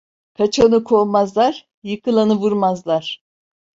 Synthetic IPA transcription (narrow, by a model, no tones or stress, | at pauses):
kʰat͡ʃʰanɯkʰo̞lˠmazlˠaɾ | jɯkʰɯlˠanɯvuɾmazlˠaɾ̥